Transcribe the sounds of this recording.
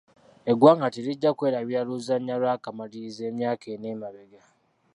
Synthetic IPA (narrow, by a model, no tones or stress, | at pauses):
eɡwaːŋɡatiɾiɟːakweːɾaβialuzaɲːalwakamalize̞ːmjaːkʰeneːmaβeɡa